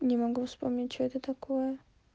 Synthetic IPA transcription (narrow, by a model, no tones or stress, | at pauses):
nʲɪmɐɡufspomnʲɪt̚ʲt͡ɕoɛt̪ət̪ɐkojə